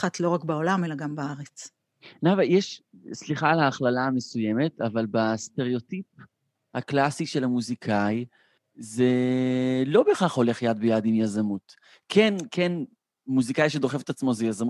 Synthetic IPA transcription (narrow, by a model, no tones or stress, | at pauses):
atlo̞ʁakbao̞lame̞laɡambaaʁet͡s | navajɛʃsliχalaːχlalaːme̞suje̞me̞tavalbast̪e̞ʁeo̞tip̚ | haklasiʃe̞lamuzikʰaj | ze̞ | lo̞be̞χaχho̞le̞χjad̪̚bejad̪imjazamut | kʰenkʰen | muzikajʃed̪o̞χe̞fet̪at͡smo̞zejazamu